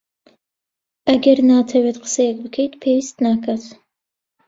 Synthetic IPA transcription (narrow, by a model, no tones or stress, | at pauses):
ɐɡɛɾnaːt̪ʰɐwɛt̪qə̥sɛjɛk̚bɨkʰɛjt̪pʰeːwist̪nakʰat̪